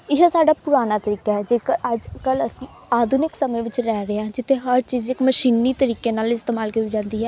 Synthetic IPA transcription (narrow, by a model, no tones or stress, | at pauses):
ɪɦõːsaːɖaːpʊɾaːnaːt̪əɾiːkaːɛːd͡ʒeːkəəd͡ʒkələsĩː | aːd̪ʱʊnɪksəmẽːʋɪt͡ʃɾɛːɾəãːd͡ʒɪt̪ʰːeːɦəɾt͡ʃiːzɪkməʃiːniːt̪əɾiːkeːnaːlɪst̪eːmaːlkit̪iːd͡ʒãːnd̪iːɦɛː